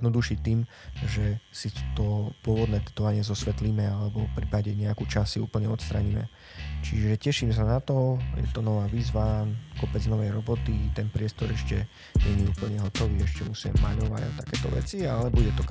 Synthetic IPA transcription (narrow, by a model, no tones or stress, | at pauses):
jd̪nɔd̪uʃict̪iːmʒɛsit̪ɔpʊɔʋɔd̪nɛːd̪ɛt̪ɔʋaɲɪɛzɔsʋɛt̪limɛalɛbɔfpɾipaɟɛɲɛakut͡ʃasːiṵːpl̩ɲɛɔt̪st̪ɾa̰ɲimɛ̰ | t͡ʃiʒɛcɛʃims̬anat̪ɔjɛ̰t̪ɔnɔʋaːʋiːzʋakɔpɛd͡znɔʋɛjɾɔbɔt̪it̪ɛnpɾɪɛst̪ɔɾɛʃcɛ | ɲɛɲɛuːpl̩ɲɛɦɔt̪ɔʋiːɛʃcɛmusiɛ̰mːa̰ɲɔʋa̰ɟa̰t̪akɛːt̪ɔ̰ʋɛ̰t͡sialɛbuɟɛt̪ɔk